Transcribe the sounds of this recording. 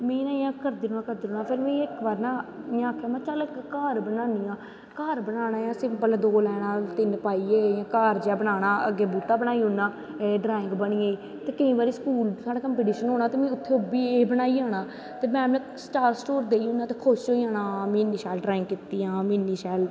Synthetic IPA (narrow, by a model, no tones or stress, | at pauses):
mĩːnaːjãːkəɾd̪iːoːnãːkəɾd̪iːoːnaːpʰɪɾmĩːɪkbaːɾnaːɪjãːkʰːɛːmãːt͡ʃələkkaːɾbənaːniːãː | kəːɾbənaːnaːjãːsɪmpəld̪oːlɛːnãːt̪ɪnpaːiːeːjãːkaːɾd͡ʒaːbənaːnaːəɡːeːbuːt̪aːbənaːiːonãː | ɖɾaːɪ̃ŋɡbəɳiːeːiː | t̪eːkɪĩːbaːɾiːskuːlsaːɽaːkəmpeːʈiːʃənɦoːnaːt̪eːmɛ̃ːʊt̪ʰːeːobiːeːbənaːiːaːnãː | t̪eːmɛ̃ːɛ̃ | səʈaːɾsʈoːɾd̪eːiʊnːãːt̪eːkʰoʃoːiːaːnãːmĩːnːiːʃɛːlɖɾaːɪ̃ŋɡkɪt̪ːiːãːmiːnːiːʃɛːl